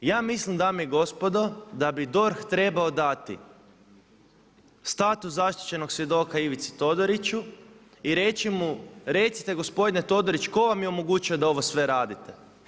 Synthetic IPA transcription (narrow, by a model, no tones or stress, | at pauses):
jaːmislimd̪amijiɡo̞spo̞d̪o̞d̪abid̪o̞ɾxt̪ɾe̞baod̪at̪ḭ | st̪at̪uszaʃt̪i̥t͡ɕe̞noksʋje̞d̪o̞ːkaiʋit̪si̥t̪o̞d̪oɾit͡ɕu | iɾe̞t͡ʃimuɾe̞t̪si̥t̪e̞ɡo̞spo̞d̪inet̪o̞d̪o̞ɾit͡ʃko̞ʋamjeomoɡut͡ɕijod̪ao̞ʋo̞sʋe̞ɾaːd̪it̪e